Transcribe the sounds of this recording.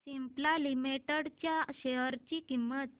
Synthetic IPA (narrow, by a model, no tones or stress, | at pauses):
simplalimiʈəɽt͡ɕjaɕeɦəɾt͡ɕikimːət̪̚